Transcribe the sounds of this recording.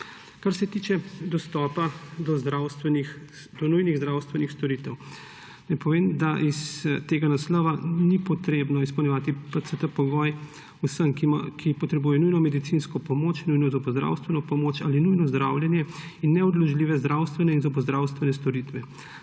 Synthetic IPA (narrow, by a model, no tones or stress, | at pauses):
kaɾsɛt̪it͡ʃɛd̪ɔst̪ɔːpad̪ɔzd̪ɾawst̪ʋɛnix | d̪ɔnujniɣzd̪ɾawst̪ʋɛnixst̪ɔɾit̪ɛw | najpɔʋeːmd̪aʔist̪eːɡanaslɔːʋanipɔt̪ɾeːbnɔispɔwnɲɛʋaːt̪ipəsət̪əpɔɡɔj | usəmkakʰipɔt̪ɾɛbujɛnujnɔmɛd̪it̪sinskɔpɔmoːt͡ʃinujnɔzɔbɔzd̪ɾa̰wst̪ʋɛnɔpɔmoːt͡ʃaːlinujnɔzd̪ɾawljɛnjɛinːɛɔd̪lɔʒliːʋɛzd̪ɾawst̪ʋɛnɛinzɔbɔzd̪ɾawst̪ʋɛnɛst̪ɔɾit̪ʋɛ